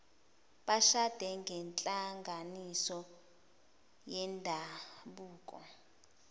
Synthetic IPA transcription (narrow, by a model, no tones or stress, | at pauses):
ɓaʃad̥ʱɛŋɡʱɛnt͡ɬʼaŋɡʱanisɔ | jɛndʱaɓuːkʼɔ̰